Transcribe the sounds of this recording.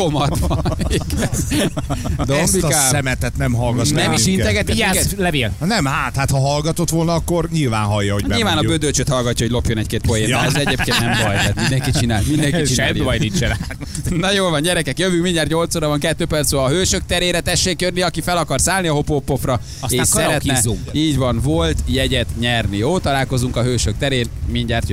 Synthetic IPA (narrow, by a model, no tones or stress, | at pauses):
komɒt̪vɒniɡɛn | d̪ombiasɛmɛt̪ɛt̪nɛmɦɒlɡɒt̪nɛmiʃinɛɡɛt̪ːɛkɛtlɛveːlnɛmhaːt̪hat̪hɒɦɒlɡɒt̪ot̪ʋolnɒkːorɲilva̰ːnɦɒjːɒhoɟɲiːlvaːnɒbød̪ølt͡ʃøt̪hɒlɡɒcːɒɦoɟlopjo̞nɛckeːt̪̚pojeːnzɛt̪eːpkennɛmd̪ɔjt̪ɛt̪mind̪ɛŋkit͡ʃinaːlmind̪ɛŋit͡ʃiɛaɔjlit͡ʃɛɾa | nɒjoːlvɒɲɟɛɾɛkɛkjøvykmiɲɟaːrt̪ɲo̞lt̪soːɾɒvɒŋkɛt̪ːøːpɛrt̪soːɦøːʃøk̚t̪ɛɾeːɾɛt̪ɛʃːeːkjørniɒkifɛlɒkɒrsaːlniɒɦo̞poːpːofrɒ | eːʃsɛɾɛt̪ːɛuŋkiːɟvɒnvolt̪jɛɟɛt̪ɲɛrnijoːt̪ɒlaːlko̞zuŋkɒɦøːʃøk̚t̪ɛɾeːnmiɲɟaːrt̪jø